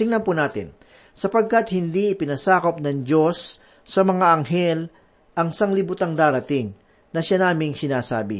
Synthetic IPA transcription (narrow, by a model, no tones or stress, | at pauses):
ɪŋnɐmpunaːt̪ɪ̰n | sɐpɐɡ̚kɐt̪hɪnd̪iɪpɪnɐsaːkop̚nɐŋd͡ʒo̞sː | ɐmɐŋaʔɐŋɦɛl | ʔɐŋsaŋlɪbʊt̪aŋd̪aːɾɐt̪ɪŋ | nɐʃanaːmɪŋsɪnaːsaːbɪ̰